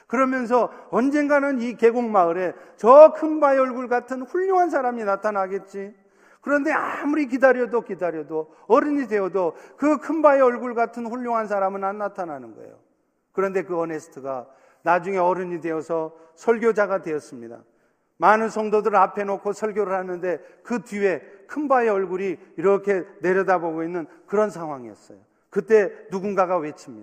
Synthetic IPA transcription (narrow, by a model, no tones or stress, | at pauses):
kɯɾʌmjʌns̬ʰʌʌnd͡ʑe̞nɡanɯnike̞ɡoŋmaɯɾe̞t͡ɕʌkʰɯnbaeʌɭɡuɭɡatʰɯnɸuʎːjoŋɦans̬ʰaɾaminatʰanɦaɡe̞t̚t͡ɕ͈i | kɯɾʌnde̞amuɾik̬idaɾjʌdokidaɾjʌdo | ʌɾɯɲidwe̞ʌdokɯkʰɯmbaeʌɭɡuɭɡatʰɯnɸuʎːoŋɦans̬ʰaɾamɯnanːatʰananɯnɡʌ̰ḛjo̰ | kɯɾʌnde̞kɯʌne̞sʰɯ̥tʰɯɡa | nad͡ʑuŋe̞ʌɾɯɲidwe̞ʌsʰʌsʰʌɭɡjod͡ʑaɡadwe̞ʌs͈ɯmɲida̰ | manɯnsʰʌŋdodɯɾɯɭapʰe̞nokʰosʰʌɭɡjoɾɯɭhanɯnde̞kɯtue̞kʰɯnbaeʌɭɡuɾiːɾʌkʰe̞ne̞ɾjʌdaboɡoinːɯn | kɯɾʌnsʰaŋɦwaŋiʌ̰s͈ʌ̰jo | kɯt͈e̞nuɡunɡaɡawe̞t͡ɕʰimɲid